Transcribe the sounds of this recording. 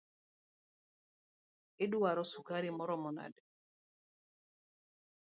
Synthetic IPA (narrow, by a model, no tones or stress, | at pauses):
ɪduwaɾɔsukaɾimɔɾɔmɔna̰d